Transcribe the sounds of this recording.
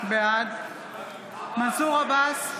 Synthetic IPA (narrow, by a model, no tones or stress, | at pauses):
bead̪ | masuʁabas